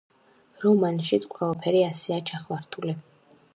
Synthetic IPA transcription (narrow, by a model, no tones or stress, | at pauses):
ɾɔmanʃit̪sʰqʼwɛlˠapʰɛɾiasɛat͡ʃʰaχwaɾt̪ʰuli